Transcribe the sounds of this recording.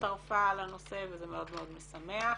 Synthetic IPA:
aʁfalano̞sevezemeod̪meo̞d̪mesamea

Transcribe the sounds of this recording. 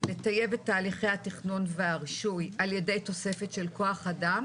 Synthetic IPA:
le̞taje̞vet̪ːaːliχejhat̪iχnonveaʁʃujalje̞de̞jt̪o̞se̞fe̞tʃelko̞aχadam

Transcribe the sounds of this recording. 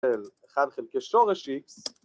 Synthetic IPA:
eleχadχelkeʃoʁeʃiks

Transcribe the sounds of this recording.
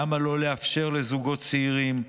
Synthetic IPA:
amalo̞le̞afʃe̞ʁle̞zuɡo̞t̪t͡seiʁim

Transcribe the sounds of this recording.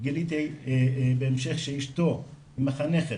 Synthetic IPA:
ɡilit̪ejbeemʃeχʃeiʃt̪o | maχaneχe

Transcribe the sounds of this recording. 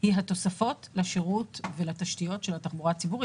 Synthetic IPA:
iɦato̞safo̞tlaʃeʁutvelataʃtijo̞tʃelataχbuʁat͡sibuʁi

